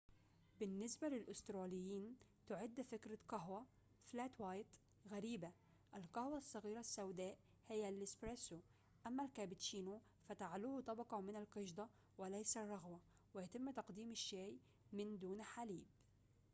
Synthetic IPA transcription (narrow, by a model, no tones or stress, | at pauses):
bɪnːɪsbalɪlʔʊst̪ɾˤɑːlɪjːiːnt̪ʊʕɪd̪ːfɪkɾakaɦwa | flaːt̪wajt̪ | ɣaɾiːba | ʔalkahwasˤːɑɣiːɾasːawd̪aːʔ | hɪjːalɪspɾesu | ʔamːalkaːbɪt͡ʃiːnu | fat̪aʕaluːht̪ˤɑbɑqɑmɪnalqɪʃd̪ˤɑ | wɪlajsarˤːɑɣwa | wɪjat̪ɪmːt̪ɑqd̪iːmɪʃːaːj | mɪnd̪uːnħaliːb